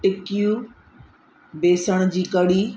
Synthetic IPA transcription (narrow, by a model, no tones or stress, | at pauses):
ʈɪkiju | beːsəɽ̃d͡ʑiːkɐɽiː